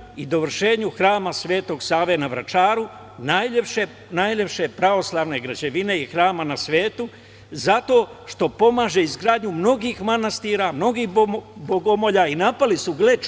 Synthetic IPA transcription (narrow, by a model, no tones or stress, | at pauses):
id̪o̞ʋr̩ʃe̞ːɲuxɾaːmasʋe̞ːt̪o̞ɡsaːʋe̞naʋɾa̰t͡ʃaːɾu | najepʃe | najʎe̞pʃe̞pɾaʋo̞slˠaːʋne̞ɡɾad͡ʑeʋineixɾaːmanasʋe̞ːt̪u | zat̪o̞ːʃt̪o̞po̞maːʒe̞izɡɾaːd̪ɲumno̞ɡiːxmanast̪iːɾamno̞ɡiːxboɡo̞mo̞ʎaːinapalisuɡle̞t͡ʃ